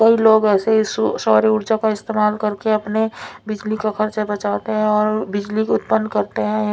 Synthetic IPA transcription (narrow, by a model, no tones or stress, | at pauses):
kəiloːɡɛːsessɔːɾiʊɾd͡ʒakaɪst̪eːmaːlkəɾkeɐpnebɪd͡ʒlikakʰəɾt͡ʃabət͡ʃaːt̪eɦɛ̃ɔːɾbɪd͡ʒlikʊt̪̚pənːkəɾt̪eɦɛ̃